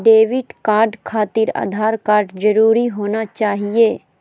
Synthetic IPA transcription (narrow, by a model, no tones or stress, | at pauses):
ɖeːʋɪʈkaːɾɖkʰaːt̪ɪɾa̰ːd̪ʱaːɾkaːɾɖd͡ʒɐɾuːɾiɦoːnat͡ʃaːɦieː